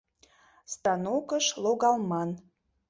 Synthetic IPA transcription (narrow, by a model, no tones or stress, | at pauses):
st̪ɑnokəʃloɣɑlˠmɑn